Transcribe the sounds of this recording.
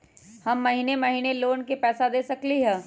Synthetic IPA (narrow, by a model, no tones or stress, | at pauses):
hɐmːɐɦiːnemɐɦiːneloːnkepɛːsad̪eːsɐkliɦɛː